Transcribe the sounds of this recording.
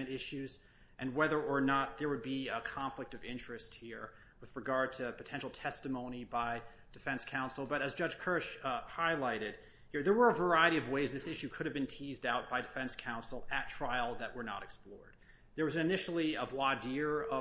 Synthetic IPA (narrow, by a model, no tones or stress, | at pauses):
ɨ̃ɾɪʃʉz | ʔɨ̃nwɛðə˞ə˞nət̪̚ðə˞wɨd̚biəkʰɑ̃ɱflɨk̚tʌvɪ̃nt͡ʃɹ̥ɨst̚hiɹ | wɨðɹɨɡɑɹd̚tʰɨpʰɨtʰɛ̃nʃl̩ˠtʰɛstɨmõʊ̃ñibaɪ | d̥ɨfɛ̃nskʰãʊ̃nsl̩ˠbʌɾɨzd͡ʒʌd͡ʒʒ̥kʰɜ˞ʃhaɪlaɪɾɪd̥̚ | hiɹðə˞wə˞əvə˞aɪɨɾiʌvweɪzðɪsɪʃʉkʰʊɾɨvbɨ̃ntʰizdaʊt̚b̥aɪdɨfɛ̃nskʰãʊ̃nsl̩ˠɨtʰɹ̥aɪl̩ˠðɨʔ̚wə˞nə̰ɾɨksplɔ̰ɹd̪̥̚ | ðə˞wʌzɨnɨnɪʃl̩ˠiʌvwɑdɪɹʌ